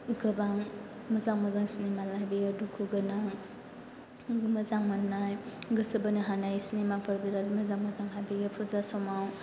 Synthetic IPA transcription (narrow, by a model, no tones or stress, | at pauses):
ɡɯbaŋ | məzaŋməzaŋsinemalajbiɡadukʰuɡɯnaŋ | məzaŋmanajɡəsəbəniɦanajsinemapʰəɾbiɾaɾiməzaŋməzaŋlabiɡapʰuzasɔmaw